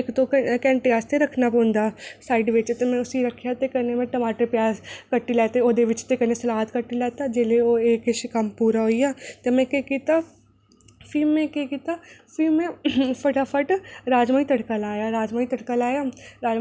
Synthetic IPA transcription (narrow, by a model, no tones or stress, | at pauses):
ɪkt̪õkɛ̃ːɳʈejaːst̪eɾəkʰnaːpõːnd̪aːsaːɪɖʋɪt͡ʃt̪emɛ̃ːʊsiɾəkʰjat̪ekənemẽʈəmaːʈəɾpjaːzkəʈːilɛːt̪eoːd̪eʋɪt͡ʃt̪ekənesəlaːɦət̪kəʈːilɛːt̪aːd͡ʒeːleoːeːkʃkəmpuːɾaɦoijaːt̪emɛ̃ːkekiːt̪aː | fʰimːɛ̃keːkiːt̪aːfiːmẽpʰəʈaːpʰəʈɾaːd͡ʒmaːit̪əɽkəlaːjaːɾaːd͡ʒmaːit̪əɽkəlaːjaːɾaːd͡ʒ